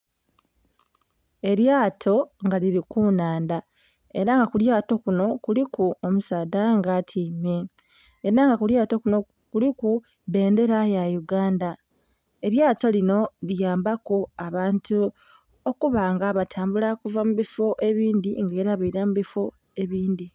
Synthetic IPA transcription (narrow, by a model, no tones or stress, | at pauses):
e̞ɾjaːtʰo̞ŋɡaliɾikunaːnda | e̞ɾaŋɡakuljaːto̞kuno̞kulikuomusaːdaŋɡatʰiːmeː | ɾaŋɡakuljaːto̞kuno̞ | kuliku | βe̞ːnde̞ɾajajuɡaːnda | e̞ɾjaːto̞lino̞lijaːmbakoaβaːntʰu | okuβaːŋɡaβatʰaːmbulakuvamuβifo̞ʔe̞βiːndiŋɡeːɾaβaiɾamuβifo̞ | e̞βiːndi